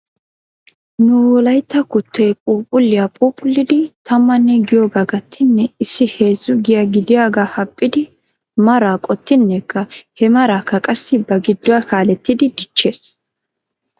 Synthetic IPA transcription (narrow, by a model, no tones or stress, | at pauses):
nʊwɔlɐjt̪ːɐkʊt̪ːɛjpʼuːpʼʊlːɪjapʼuːpʼʊlːɪd̪ɪt̪ʰɐmːɐnːɛɡɪjoːɡaɡɐt̪ʰːɪnːɛɪsːɪhe̞ːzʊɡɪjaɡɪd̪ɪjaːɡaːhɐpʼːɪd̪ɪ | mɐɾaːkʼɔt̪ːɪnːɛkʰːɐhɛmɐɾaːkːɐkʼɐsːɪbɐɡɪd̪ːʊwakaːlɛt̪ːɪd̪ɪd̪ɪt͡ʃːe̞ːs